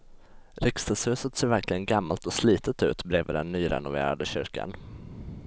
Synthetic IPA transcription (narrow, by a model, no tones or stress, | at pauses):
ɾɪkst̪ashʉ̟ːsət̪seːɾvæɾklɪɡənɡamːalt̪ɔsliːt̪ət̪ʉ̟̰ːt̪bɾeːvəd̪ɛnːyːɾɛ̰nʊvḛːɾa̰d̪əɕʏɾka̰n